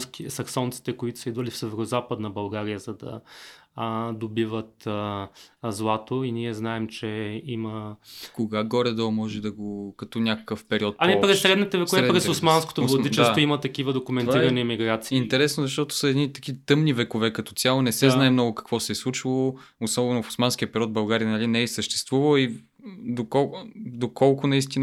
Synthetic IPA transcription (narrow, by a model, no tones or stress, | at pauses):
skisɐksɔnt̪si̥t̪ɛkoit̪ʊ̥səid̪vɐlifsɛvɛɾozapəd̪nɐbɐlˠɡaɾijəzɐd̪ɐ̰ | d̪obivət̪ | zlˠat̪oiniɛznaɛmt͡ʃɛiməkoɡaɡɔɾɛd̪ɔmɔʒɛd̪ɐɡokɐt̪ɔnʲakə̥kəfpɛɾiɔt̪̚ɐmipɾɛsːɾɛd̪nit̪ɛvɛovɛɛpɾɛsosmansko̥t̪ovlɐidt͡ʃɛsvoimɐt̪ɐkivəd̪okʊmɛniɾɐnimiɡɾat̪siint̪ɛɾɛsnozɐʃt̪ɔt̪ʊ̥səɛd̪nit̪ɐkit̪ɤmnivɛkovɛkɐt̪ɔ̥t̪sʲjalˠonɛsɛznaɛmnɔɡʊkɐ̥kvɔsɛslˠut͡ʃilˠoosɔbɛnofʊ̥smansk̟iəpɛɾʲiɔt̪̚bɐlˠɡaɾijənɐlinɛɛsəʃt̪ɛ̥st̪vuvɐi | d̪okɔd̪okɔlˠkʊnɐist̪in